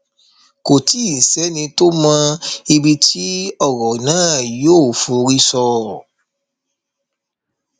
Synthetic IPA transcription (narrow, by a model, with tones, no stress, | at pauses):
ko˨ti˦˨sɛ˨˦nĩ˧to˦mã˧i˧bi˧tʰi˦ɔ˦˨ɣɔ˨nãː˨˦˨joː˦˨fo˨˦ɾi˦sɔ˧